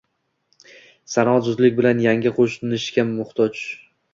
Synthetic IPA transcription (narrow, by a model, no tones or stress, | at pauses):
sanɒat̪zʊzlɪkʲbɪlanjaŋɡʲɪqʰoʃnɪʃkʲaːʊχt̪ʰɒt͡ʃ